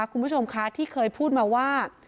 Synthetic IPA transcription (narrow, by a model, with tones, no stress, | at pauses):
kʰu˧pʰu˥˩o˧mkʰa˦˥t̪ʰiː˥˩kʰɤː˧jpʰuː˥˩t̪̚maː˧waː˥˩